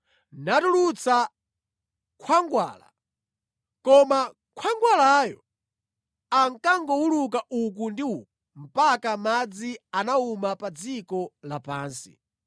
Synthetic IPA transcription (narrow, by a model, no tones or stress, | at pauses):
natulut͡sa | kʰwaŋɡwa̰ːla̰ | kɔma | kʰwaŋɡwalajɔ | aŋkaŋɡɔuluk̬aʔuk̬undiukum̩pakamad͡zianaumapad͡zikɔlapaːnsḭ